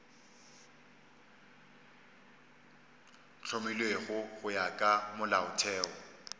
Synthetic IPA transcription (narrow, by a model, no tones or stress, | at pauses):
t͡ɬʰomilweɣʊɣʊjakʼamʊlaʊtʰɛːɔ